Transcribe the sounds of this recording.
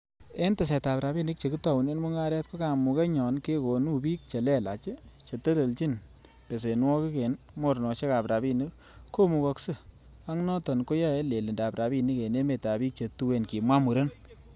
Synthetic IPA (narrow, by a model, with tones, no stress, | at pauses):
e˦nte˨s̬ɛ˨ta˨pɾa˨bi˦ni˦k̚t͡ʃe˨ku˦tɔ˨wu˨ne˦nmu˦ŋa˦ɾɛ˦t̚ko˦ka˨mu˨ke˦ɲɔ˨nke˦ko˨nu˦bi˦k̚t͡ʃe˨lɛ˦la̰˨t͡ʃɪ˦ | t͡ʃe˨te˦le˨lt͡ʃi˦n | pe˨s̬e˨n˦wɔ˦ki˦ke˨n | mo˦˨ɾnɔ˨ʃe˦ka˨pɾa˨bi˦ni˦k | ko˦mu˨kɔ˨˧ksɨ˦ | a˦ŋnɔ˦tɔ˨nko˦jɔ˦e˦le˨li˨nda˨pɾa˨bi˦ni˦ke˨ne˦me˨ta˨bi˦k̚t͡ʃe˨tu˦we˨nki˨mwa˦mu˨ɾe˦n